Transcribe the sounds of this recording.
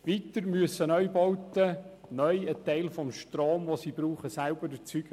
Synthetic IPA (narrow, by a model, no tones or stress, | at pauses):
ʋit̪əɾmyəsːənœʏbɔwt̪ənœjət̪ɛɪlfɔmʃtɾoːmʋosiːbɾuːχəsæʊbəɾdət͡syɡ̥ə